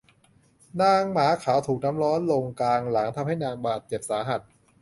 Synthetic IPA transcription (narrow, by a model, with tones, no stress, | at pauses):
naː˧ŋmaː˩˦kʰaː˩˦wt̪ʰuː˨˩k̚na˦˥mɾɔː˦˥nlo˧ŋklaː˧ŋla˩˦ŋt̪ʰa˧mha˥˩jnaː˧ŋbaː˨˩t̪̚t͡ɕe˨˩p̚saː˩˦ɦa˨˩t̪̚